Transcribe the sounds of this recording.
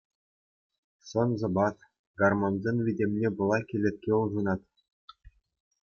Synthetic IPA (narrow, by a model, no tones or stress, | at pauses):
sɤ̆nzɤ̆bɑt̪ | ɡɑrmɑnzʲenvʲidʲemʲnʲebɤ̆lˠɑkʲilʲĕt̪̚ʲkʲeuʐɤnɑt̪